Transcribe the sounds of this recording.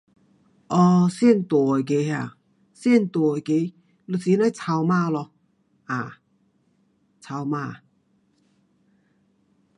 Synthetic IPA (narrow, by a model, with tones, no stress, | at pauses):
ʔɔ˧sjɛ˥˩˨nt̪ɔ˨˩˨ke˧˦ha˧˩ | sjɛ˥˨nt̪ɔ˨˩˨ke˧˦ | lu˧˩si˧˦na˧˥˩jt͡sʰa˧wmaː˥˨lɔ˧ | ʔa˨˩ | t͡sʰa˧wmaː˧˨